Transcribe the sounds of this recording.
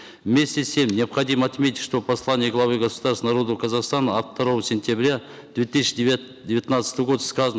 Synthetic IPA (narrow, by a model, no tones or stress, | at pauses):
vmʲe̞sʲt̪ʲesʲe̞mnʲeapχɐd̪iməɐt̪mʲet̪ʲɪt̪ʲʃt̪o̞pʰɐslˠanʲɪjəɡlˠɑvɨɡɐsu̥d̪ɑɾsnaɾo̞d̪əkʰɐzɑqst̪ɑnəːft̪ːɐɾovəsʲenʲt̪ʲabɾʲa | d̪̥vʲe̞t̪ɨsʲʃ | d̪ʲevʲit̪nɑt̪sə̥t̪əɡo̞d̪əskazn